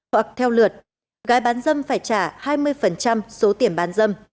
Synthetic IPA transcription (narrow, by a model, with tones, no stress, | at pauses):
wa˨˩k̚t̪ʰɛ˧wlɨ˨˩ət̚ | ɣaː˨˦jɓaː˨˦nzə˧mfaː˧˩jt͡ɕaː˧˩haː˧jmɨ˧əjfə˨˩nt͡ɕa˧mso˨˦t̪i˧˩əmɓaː˨˦nzə˧m